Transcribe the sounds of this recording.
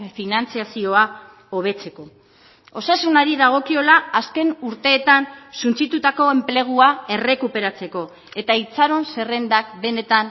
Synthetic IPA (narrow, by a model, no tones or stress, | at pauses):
finant͡siasio̞a | o̞β̞e̞t͡se̞ko̞ | o̞sasunaɾiðaɣ̞o̞kio̞laːske̞nuɾt̪e̞ːt̪ansunt͡sit̪ut̪ako̞e̞mple̞ɣ̞uae̞re̞kupe̞ɾat͡se̞ko̞ | e̞t̪ait͡saɾo̞nse̞re̞nd̪akbe̞ne̞t̪an